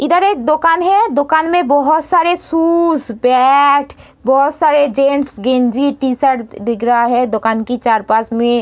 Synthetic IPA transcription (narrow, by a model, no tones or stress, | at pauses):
ɪd̪əɾeːk̚d̪ʊkaːnɦɛd̪ʊkaːnmẽbɔɦʊt̪saːɾesuːsbɛʈʰ | bɔɦʊt̪saːɾed͡ʒẽːɳsɡẽːnd͡ʒiʈiːsəɾd̪ɪkʰɾɐɦaɦɛd̪ʊkaːnkit͡ʃaːɾpaːsmẽ